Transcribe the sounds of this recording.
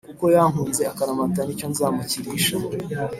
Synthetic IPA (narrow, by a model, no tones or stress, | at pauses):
kuko̞jaŋhuːnze̞akaɾamatanico̞nzaːmaciɾiʃo